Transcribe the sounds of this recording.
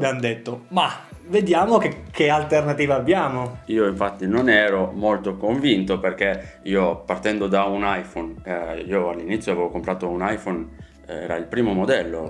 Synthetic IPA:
d̪eand̪et̪ːoma | ved̪jaːmokekʰːealt̪ernat̪iːvaːbːjaːmoiːoiɱfat̪ːinonɛːɾomolt̪okoɱvint̪operk̟eiːopart̪ɛnd̪od̪aunajfoniːoalːinit̪sjoavɛːvokompɾaːt̪ounajfon | ɛ̰ːɾa̰ilpɾiːmomod̪ɛlːo̰

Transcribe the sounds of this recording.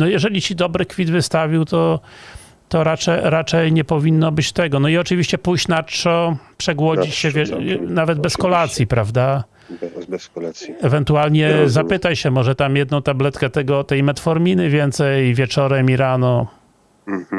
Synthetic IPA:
nɔjɛʐɛlʲit͡ɕid̪ɔbɾɘkfʲid̪vɘst̪avʲiwt̪ɔ | t̪ɔɾat͡ʂɛɾat͡ʂɛjɲɛpɔvʲinːɔbɘt͡ɕt̪ɛɡɔnɔiɔt͡ʂɘvʲiɕt͡ɕɛpujt͡ɕnatːɔpʂɛɡwɔd͡ʑd͡ʑit͡ɕɕɛvʲɛnavɛd̪bɛskɔlat̪sʲjipɾavd̪a | ɛvɛnt̪ualɲɛzapɘt̪ajɕɛmɔʐɛt̪amjɛd̪nɔ̃w̃t̪ablɛt̪kɛt̪ɛɡɔt̪ɛjmɛt̪fɔɾmʲinɘvʲjɛnt̪sɛjvʲjɛt͡ʂɔɾɛmʲiɾanɔ

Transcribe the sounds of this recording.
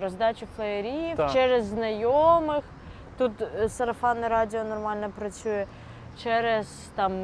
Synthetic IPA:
ɾɔzd̪ɑt͡ʃʲʊflˠɐɐɾʲit͡ʃɛɾɛzːnɐjomɪx | t̪ut̪sɐɾɐfɑnɪɾɑdʲɪɔnɔrmɑlʲnɔpɾɐt͡sʲujɛ | t͡ʃɛɾɛz | t̪ɑm

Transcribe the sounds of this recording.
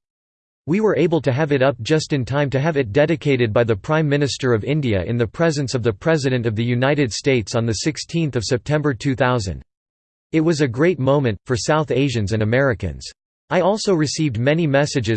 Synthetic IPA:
wiwə˞ʔeɪbl̩ˠtɨɨvɨɾʌp̚d̥ʒ̥ʌstɨ̃ntʰãɪ̃mtɨɨvɨt̚d̥ɛɾɨkʰeɪɾɨd̚baɪðɨpʰɹ̥ãɪ̃mːɪ̃nɨstə˞ʌvɪ̃ndiɨ̰ʔɨ̰̃nðɨpʰɹ̥ɛzɨ̃nsʌvðɨpʰɹ̥ɛzɨɾɨ̃ntʌvðɨjʉnaɪɾɨd̥steɪtsn̩ðɨsɪkstʰĩnθʌv̥sɛp̚tʰɛ̃mbə˞tʰʉθaʊzɨ̰̃nd | ɨt̚wʌzɨɡɹeɪt̚mõʊ̃mɨ̃ntfə˞saʊθeɪʒɨ̃nzɨ̃nɨmɛɹɨkɨ̰̃nz̥ | aɪɔlˠsoʊɹɨsivd̚mɛnimɛsɨd͡ʒɨ

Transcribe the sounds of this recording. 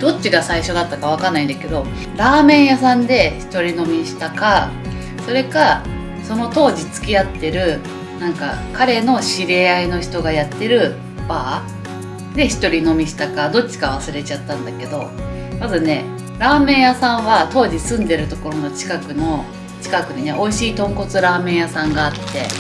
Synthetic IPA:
d̪o̞t͡ɕːiɡasaiɕo̞d̪at̪ːakaβ̞akanːaĩnd̪ake̞d̪o̞ | ɾaːmẽ̞ɰ̃jas̬ãnd̪e̞çi̥t̪o̞ɾʲino̞mʲiɕi̥t̪aka | so̞ɾe̞ka | so̞no̞t̪o̞ːʑit͡sɨ̥kʲiat̪ːe̞ɾɯ̟ | nãŋka̰kaɾe̞no̞ɕiɾe̞aino̞çi̥t̪o̞ɡajat̪ːe̞ɾɯ̟ | b̥aː | d̪e̞çi̥t̪o̞ɾʲino̞mʲiɕi̥t̪akad̪o̞t͡ɕːi̥kaβ̞asɨɾe̞t͡ɕat̪ːãnd̪ake̞d̪o̞ | mazɨne̞ | ɾaːmẽ̞ɰjasãɰ̃βat̪o̞ːʑisɨ̃nd̪e̞ɾɯ̟t̪o̞ko̞ɾo̞no̞t͡ɕi̥kakɯ̟no̞ | t͡ɕi̥kakɯ̟ɲine̞ʔo̞iɕiːt̪õ̞ŋko̞t͡sɨɾaːmẽ̞ɰ̃jasãŋɡaːt̪ːe̞̰

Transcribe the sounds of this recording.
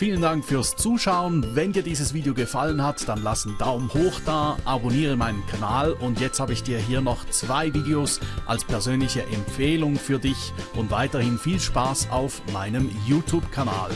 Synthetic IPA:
fiːləndaŋkfyːɐst͡suːʃaʊənvɛndiːɐdiːzəsv̥iːdeoɡəfalənhatd̥anlasn̩daʊmhoːxd̥aːɐʔaboniːʁəmaɪnənkʰanaːlʊntjɛt͡st̚haːbəɪçd̥iːɐɦiːɐnɔχt͡sv̥aɪviːdeosʔa̰lspʰɛɐzøːnlɪçəʔɛmp͡feːlʊŋfyːɐdɪç | ʔʊntv̥aɪtɐhɪnfiːlʃpaːsaʊfmaɪnəmjuːtʰjuːbkʰana̰ːl

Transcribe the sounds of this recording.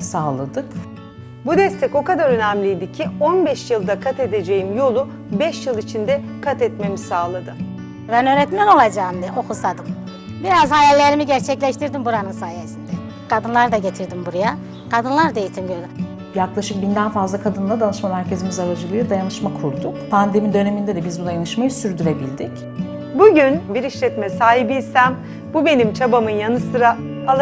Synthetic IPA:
saːlˠad̪ɯ | bud̪ɛst̪ʰɛco̞kad̪aɾø̞næmlʲijd̪icʰionbɛʃjɯlˠd̪akʰat̪ed̪ed͡ʒe̞jimjo̞lˠu | bɛʃjɯlˠit͡ʃʰind̪ɛ | kʰat̪ɛt̪me̞misaːlˠad̪ɯ | bænø̞ːɾɛt̪mɛno̞lˠad͡ʒaːmd̪ɛo̞kʰusad̪ɯm | biɾazhajɛlʲːe̞ɾimiɟæɾt͡ʃʰɛclʲɛʃt̪ʰiɾd̪imbuɾanɯnsaːjesind̪ɛ | kʰad̪ɯnlˠaɾd̪aɟe̞t̪ʰiɾd̪imbuɾaja | kʰad̪ɯnlˠaɾd̪ajit̪ʰimɟølʲi | jaklˠaʃɯk̚bind̪ænfazlˠakʰad̪ɯnd̪ad̪anɯʃmamæɾcʰe̞zimizaɾad͡ʒɯlˠɯjɯd̪ajanɯʃmakʰuɾd̪ukpʰand̪e̞mid̪ø̞ne̞mind̪ɛd̪ɛbizbud̪ajanɯʃmajɯsyɾd̪yɾe̞bilʲd̪ic | buɟynbiɾiʃlʲɛt̪mɛsaːɦibiːsæm | bube̞nimt͡ʃʰabamɯnjanɯsɯɾaalˠ

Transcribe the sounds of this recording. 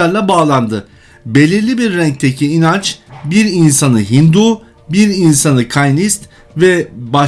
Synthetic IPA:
aɾlˠabaːlˠand̪ɯ | be̞lʲiɾlʲibiɾːɛɲc̚t̪ʰecʰiːnant͡ʃbiɾinsanɯɦind̪uː | biɾinsanɯkʰajnist̪ | vɛba

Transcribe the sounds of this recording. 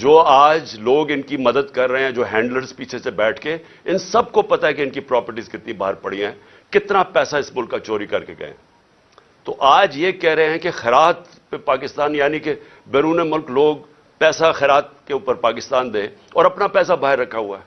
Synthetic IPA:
d͡ʒoːaːd͡ʒloːɡɪnkimɐd̪əd̪kɐɾːɐɦẽɦɛ̃d͡ʒoːɦɛ̃ːɳɖləɾzpiːt͡ʃʰesebɛːʈʰke | ɪnsɐb̚kopɐt̪aɦɛkeɪnkipɾɔːpəɾʈizkɪt̪nĩba̰ːɦəɾpɐɽijãɛ̃ː | kɪt̪napɛːsaɪsmʊlkːat͡ʃoːɾikɐɾkeɡɐ̰ḛ̃ː | t̪oʔaːd͡ʒjekɛɦɾɐɦẽɦɛ̃kexɛɾaːt̪ | pepaːkɪst̪aːnjaːnike | bɛːɾuːnemʊlkloːɡ̚ | pɛːsaxɛːɾaːt̪̚keuːpəɾpaːkɪst̪aːnd̪ẽːɔːɾɐpnapɛːs̬abaːɦɪɾːɐkʰːaɦʊaɛː

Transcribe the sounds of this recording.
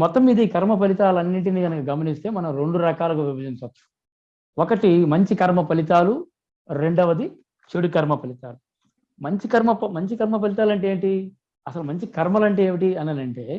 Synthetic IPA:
mɔt̪ːɐmiːd̪ɐiːkɐɾmɐp̬ɐlit̪aːlɐnːiʈ̬iniːɡɐnɐkɐɡɐmɐnist̪e̞ːmɐnɐmɾe̞ɳɖuɾɐkaːlɐkuʋibʱɐd͡ʒint͡ʃɐt͡ʃːu̥ | ɔkɐʈimɐɲt͡ʃikɐɾmɐpɐlit̪aːlu | ɾe̞ɳɖɐʋɐd̪i | t͡ʃeɽukɐɾmɐpɐlit̪aːlu | mɐɲt͡ʃikɐɾmɐpɐmɐɲt͡ʃikɐɾmɐp̬ɐlit̪aːlɐɳʈeːʈi | ɐsɐlumɐɲt͡ʃikɐɾmɐlɐɳʈeːeːʋiʈiɐnɐnɐɳʈeː

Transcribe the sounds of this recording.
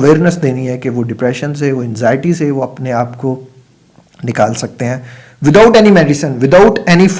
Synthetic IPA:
ʋeːɾnəsd̪eːniɦɛkeʋoɖɪpɾɛʃə̃nseʋoɛ̃nzaːɪʈiseʋoɐpneaːpko | nɪkaːlsɐk̚t̪eɦɛ̃ː | ʋɪd̪aʊʈɛnimɛɖɪsə̃nʋɪd̪aʊʈɛnif

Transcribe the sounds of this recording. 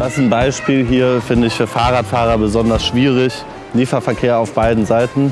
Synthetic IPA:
d̥asn̩baɪʃpiːlɦiːɐfɪndəɪçfyːɐfaːʁaːtfaːʁɐbəzɔndɐsʃv̥iːʁɪç | liːfɐfɛɐkʰeːɐaʊfb̥aɪdn̩zaɪtn̩

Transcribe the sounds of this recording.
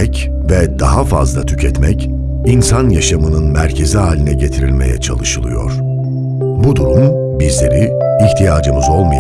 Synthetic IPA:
ɛc | vɛd̪aɦafa̰zlˠat̪ʰy̥cʰɛt̪mɛc | insanjaʃamɯnɯnmæɾcʰe̞ziɦaːlʲinɛɟe̞t̪ʰiɾilʲme̞̰jɛ̰t͡ʃʰa̰lˠɯʃɯlˠɯ̰jo̞̰ɾ̥ | bud̪uɾum | bizlʲe̞ɾi | içt̪ʰijaːd͡ʒɯmɯzo̞lˠmɯj

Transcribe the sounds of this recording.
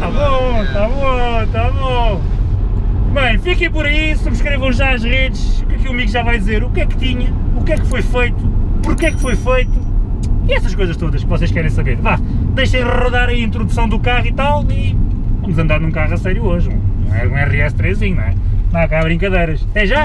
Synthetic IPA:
t̪aβõt̪aβõt̪aβõ | bɐ̃j̃fikejpɔɾɐisuβʃkɾevɐ̃w̃ʒaɐʒʁeðɨʃkɛkuɐmiɣʒavajðizeɾukɛkt̪iɲɐukɛkfojfejt̪upuɾkɛkfojfejt̪u | iɛsɐʃkojzɐʃt̪oðɐʃkɨvɔseʃkɛɾẽj̃sɐβeɾva | d̪ejʃɐ̃j̃d̪ʁuðaɾɐĩnt̪ɾuðusɐ̃w̃d̪ukaʁit̪alˠi | vɐmuzɐ̃nd̪aɾnũkaʁɐsɛɾjuoʒ̃nɐ̰̃w̃ɛ̰ũw̃ɛʁɛst̪ɾeʒzĩɲñɛnãɐkaaβɾĩŋkɐðejɾɐʃɐt̪ɛʒa

